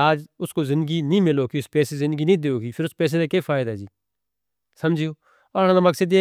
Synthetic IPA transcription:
aːd͡ʒʊskoːzɪ̃nd̪əɡiːnĩːmɪloːkiʊspɛːsezɪnd̪ɡiːnĩːd̪eːoːkiːpʰɪɾʊspɛːs̬eːd̪eːkeːfʰaːɪd̪aɦɛd͡ʒiː | sɐmd͡ʒʱioː | ɔɾãnaməksəd̪e

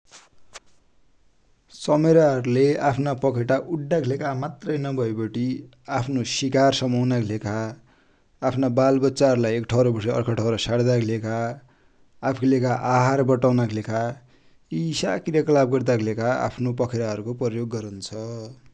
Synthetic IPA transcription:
sʌmeɾaɦʌɾuleapʰnapʌkʰeʈaʔuɖːaklekamat̪rʌjnʌbʱʌebʌʈi | apʰnosikarsʌmʌwnakʰlekaː | pʰnabalbʌtːsaɦʌɾulajekʈʰʌɾʌbʌsʌʌ̰rkʰʌʈʰʌwɾʌsaɽd̪akʰlekaː | pʰklekaʔaɦarbʌʈawnakʰlekʰa | isakrjakʌlab̚ɡʌrd̪aklekaa̰pʰnopʌkʰeɾaɦʌɾukoprʌjoɡːʌɾunt͡sʰʌ

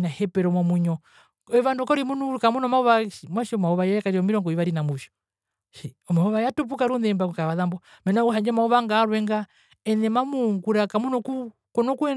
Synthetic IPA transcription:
nahɛpɛɾɔmwamuɲɔ | ɔiʋandɔkɔɾimunuɾukamunɔmauβaʃimwaʃiɔmaɔβajakaɾiɔmiɾɔŋɡɔiʋaɾinamuʃɔ̥ | ʃi | ɔmaɔβajatup̬ukaɾunɛmbakukaβaðambɔ | mɛnauɦaɲd͡ʒɛmauβaŋɡaɾwɛŋɡa | ɛnɛmamuŋɡuɾakamunɔku | kɔnɔkuɛ

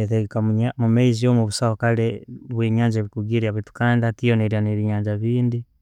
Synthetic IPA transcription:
eteɡekaamumeiziomuβusaokaleβweːɲaːɲd͡ʒaβikuɡiɾiaβitu̥kaːndationeɾianeβiɲaːɲd͡ʒaβiːndi

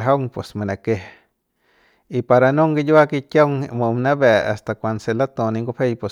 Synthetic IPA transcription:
ɦawŋpesmanakeh | ipaɾanoŋɡijakikaŋmomnaβea̰st̪akʷanselat̪oniŋɡopejpe

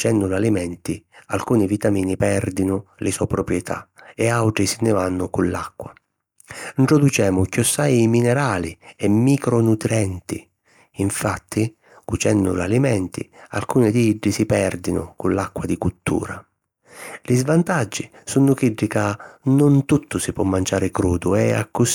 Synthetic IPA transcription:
t͡ʃɛnːʊlalimɛnt̪ia̰lkuːnivit̪amiːnipɛrd̪inʊlɪsɔpɾɔpɾjɛt̪ʰa̰ɛawʈ̪ɾisɪnɪvanːʊkunlakːwa | iɳʈ̪ɾɔd̪ut͡ʃɛːmʊkɔsːajiminɛɾaːliɛmːikɾɔnut̪ɾɛnt̪ḭ | iɱfat̪ʰːi | kut͡ʃɛnːʊ̰lalimɛnt̪ḭa̰lkuːnɪd̪iiɖːisipɛrd̪inʊ̰kulakːwad̪ikut̪ːṵːɾa | lizvant̪ad͡ʒːi | sunːʊkiɖːikanʊnt̪ut̪ːʊsɪpːwɔmːand͡ʒaːɾɪkɾuːd̪ʊɛa̰kːʊs

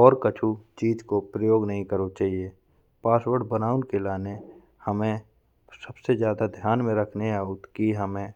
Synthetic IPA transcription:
ɔːɾkət͡ʃʰut͡ʃiːd͡ʒkopɾəjoːɡnəɦĩkəɾot͡ʃaːɦie | paːswəɽbənaːʊnkelaːne | həmẽ | səbsezjaːd̪ad̪ʱjaːnmẽɾəkʰneaːʊt̪kiɦəmẽ

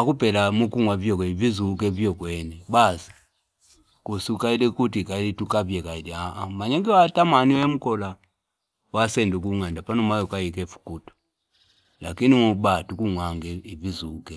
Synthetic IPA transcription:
akupɛlamukuŋwavjɔkɛivizuːkɛvjɔkwɛnɛbasḁ | kusukailɛkutikailitukavjɛkailɛamaɲɛŋɡɛwatamaniɔɛmukɔla | wasɛnduk̬uŋandapanɔmajɔkaikɛfu̥kutu̥ | lakinimubatukuŋwaŋɡɛivizuːkɛ

